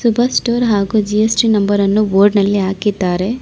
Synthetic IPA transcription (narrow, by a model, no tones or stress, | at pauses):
subʱɐsʈoːɾɦaːɡud͡ʒijesʈinɐmbɐɾɐnːuʋoːɾɖnɐlːiɦaːkid̪ːaːɾe̞